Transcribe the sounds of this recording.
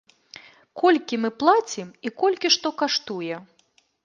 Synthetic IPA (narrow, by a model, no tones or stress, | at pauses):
kʰɔlʲkʲimɨplˠat͡sʲimikɔlʲkʲiʂt̪ɔkaʂt̪ujɛ